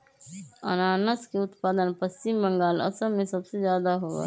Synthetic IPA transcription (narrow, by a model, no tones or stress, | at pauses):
ə̰naːnəskeʊt̪paːd̪ənpəst͡ʃɪmbə̃ŋɡaːlɐ̰səmẽsɐbsezjaːd̪aɦoːa̰